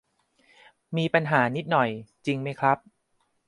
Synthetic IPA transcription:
miː˧pa˧nɦaː˩˦ni˦˥t̪̚nɔ˨˩jt͡ɕi˧ŋma˦˥jkʰɾa˦˥p̚

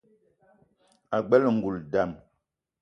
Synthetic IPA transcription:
a˨ɡ͡bɛ˦lŋ̩˨ɡu˨lda˨m

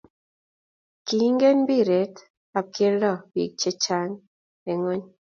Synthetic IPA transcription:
ki˨˦ŋɡe˦nbi˦˨ɾe˨˦t | a˨ke˦lɔ˦˨wḭ˨k̚t͡ʃe˦t͡ʃa˦ŋ | e˨ŋo˦ɲ

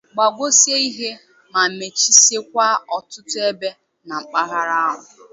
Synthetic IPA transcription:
ɡ͡ba˨ɡʷo˦sje˦i˦ɦe˦ | ma˨me˨t͡ʃi˦se˦k̚ʷa˦ɔ˨tʊ˦tʊ˦e˦be˦ | na˨ŋ͡m̩˨k͡pa˦ɦa˦ɾa˦a˦ɦʊ˨

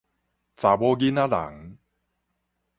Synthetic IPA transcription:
t͡sa˨˩bo˦ɡi˦na˦˥la̰˨˦ŋ

